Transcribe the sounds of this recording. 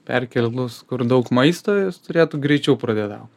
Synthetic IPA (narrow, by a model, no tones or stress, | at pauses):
pʲɛ̰rʲkʲɛlʲd̪ʊskʊrd̪ɐʊkmɐɪst̪oːjɪst̪ʊɾʲeːt̪ʊɡɾʲɛɪt͡ʃʲɛʊpɾɐd̪ʲeːd̪ɑ̰ʊ